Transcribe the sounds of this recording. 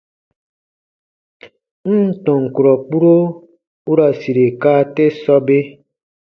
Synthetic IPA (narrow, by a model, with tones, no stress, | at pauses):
n̩˦tɔ̃˨ŋ˨ku˨ɾɔ˨k͡pu˦ɾo˦ | u˦ɾa˨si˨ɾe˨ka˦te˦sɔ˦be˦